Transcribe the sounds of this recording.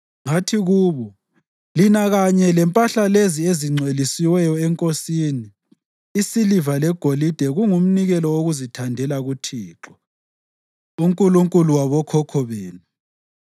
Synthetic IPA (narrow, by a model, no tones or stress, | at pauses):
ŋatʰiɣuːβɔ | linaɣaɲɛlɛmpʼaɬalezieziŋ͡ǀʱelisiwɛjɔɛŋkʼosiːniː | silivalɛɡ̥ʱolid̥ʱɛɣuŋum̩niɣɛlɔoɣuzitʰandʱɛlaɣutʰiːǁɔ̥ | uŋkʼuluŋkʼuluwaβɔkʰɔkʰɔβeːnu